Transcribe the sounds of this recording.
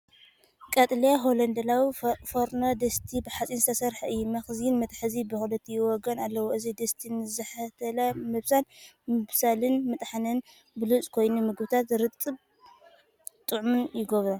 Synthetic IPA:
kʼɐt̪ʼlijaɦolɐnd̪ɐlawifoɾnod̪ɐst̪ʰibɨħat͡sʼinzɨt̪ʰɐsɐɾħaʔɨjːumɐxznmɐt̪ʰʼħɨzibɨxulɨt̪ʰːijɪwɔɡɐnalːɐwoʔɨzid̪ɐst̪ʰinɨzɐħat̪ʰɐlɐmɨβsal | mɨβsalɨnmɨt̪ʼħanɨn | bɨlut͡sʼkʰo̞jnumɨɡbɨt̪ʰat̪ɾɨt̪ʼːɨβ | t̪ʼɨʕmɨnjɪɡoβɾa

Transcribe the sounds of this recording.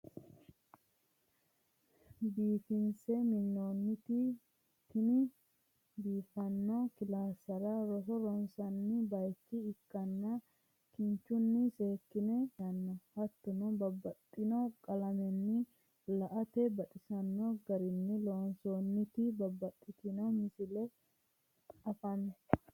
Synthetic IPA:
biːfɪnsɛmɪnːoːnːɪt̪ɪ | t̪ɪnɪ | biːfɐnːokɪlaːsɐɾɐɾɔsɔɾɔnsɐnːɪbɐjkːɪːkːɐnːɐ | kɪɲt͡ʃːʊnːɪse̞ːkːɪnɛjɐnːɔhɐt̪ːʊnubɐbːɐt̪ʼːɪnɐkʼɐlɐmɛnːɪ | lɐʔɐt̪ɛbɐt̪ʼɪsɐnːɔɡɐɾɪnːɪloːnsoːnːɪt̪ɪbɐbːɐt̪ʼːɪt̪ɪnɐmɪsɪlɛ | ɐfɐnːɔ

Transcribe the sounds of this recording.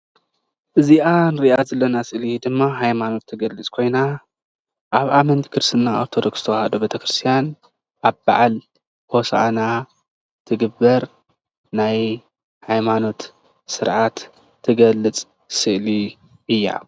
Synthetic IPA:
ʔɨziʔanɨɾiʔazɐlːɐnasɨʔlid̪ɨmːaɦajmano̞t̪ʰːɨɡɐlːɨt͡sʼkʰo̞jna | ʔaβamɐnt̪kʰɨɾsɨnːaoɾt̪ʰo̞d̪o̞ksz̥ɨ̥t̪ʰɐwhɐd̪obet̪ʰɐkɾɨst̪ʰijan | ʔaβba̰ʕal | hosaʔa̰na | t̪ʰɨɡɨbːɐɾ | naj | hajmano̞t̪ | sɨɾʕat̪ʰː | ɨɡɐlːɨt͡sʼ | sɨʔli | ɨjːa̰

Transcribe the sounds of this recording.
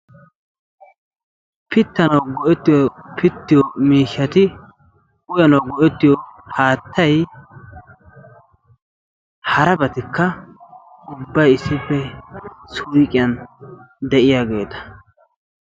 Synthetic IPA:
pɪt̪ːɐnɐwɡɔʔɛt̪ːɪjɔpʰɪt̪ːɪjɔmiːʃːɐt̪ɪ | ʊjɐnɐwɡɔʔɛt̪ːɪjɔhaːt̪ːɐj | hɐɾɐbɐt̪ɪkːɐ | ʊbːɐjɪsːɪpːɛsʊjkʼɪjɐnd̪ɛʔɪjaːɡe̞̰ːt̪ɐ̥

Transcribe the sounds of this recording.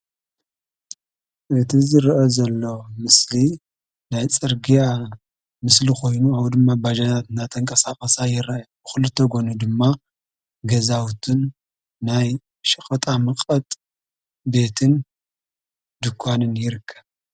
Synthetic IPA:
ʔɨt̪ʰizɨɾʔozɐlːo̞mɨsli | najt͡sʼɨɾɡija | mɨslixʰo̞jnuaβd̪ɨmːabad͡ʒɐt̪ʰat̪ɨnat̪ʰɐŋkʼɐsaχʼɐsajɪraʔjbɨxɨlɨt̪ʰːɐɡo̞nud̪ɨmːa | ɡɐzawt̪ʰɨnː | aj | ʃɐxʼɐt̪ʼamɨqʼɐt̪ʼ | be̞t̪ʰɨn | d̪ɨkʰʷːanɨnjɪɾɨkʰːɐβ

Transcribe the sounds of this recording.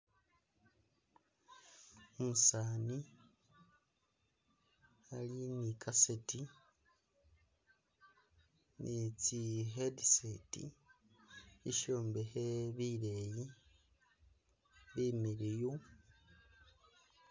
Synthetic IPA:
omusaːni | alinikʰaseti | nit͡siɦedisetḭ | iʃoːmbeheβiɾeji | βimiɾiju

